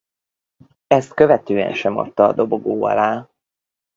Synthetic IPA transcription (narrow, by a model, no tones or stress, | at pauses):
ɛst̪kø̞vɛt̪øːɛ̰nʃɛmo̰t̪ːɒːd̪o̞bo̞ɡoːɒ̰laː